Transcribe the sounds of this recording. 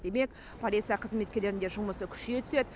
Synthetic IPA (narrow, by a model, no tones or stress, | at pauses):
d̪̥e̞me̞k | pʰolʲijt̪sɨjaqʰəzme̞t̪̚kʲe̞ɾle̞ɾɪnd̪e̞ʒʊlˠməsəkʲʰʏ̥ʃɡʲet̪ʰʏ̥se̞d̪